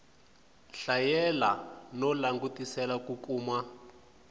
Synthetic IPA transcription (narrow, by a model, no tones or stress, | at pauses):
ɬajɛlanɔlaŋɡutisɛlakukʼuːma